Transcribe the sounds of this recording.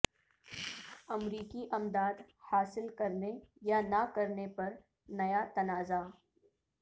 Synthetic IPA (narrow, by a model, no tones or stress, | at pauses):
ɐmɾiːkiʔɐmd̪aːd̪ | haːsɪlkɐɾnejanakɐɾnepɐɾ | nɐjat̪ɐnaːza